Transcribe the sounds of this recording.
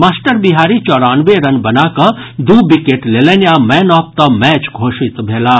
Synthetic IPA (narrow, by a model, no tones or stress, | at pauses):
maːsʈəɾbiɦaːɾit͡ʃɔːɽaːnʋeɾɐnbɐnakɐd̪ubikeʈleːlenjamɛːnɔːp̚t̪ɐmɛːt͡ʃɡʱoːʃit̪bʱeːlaː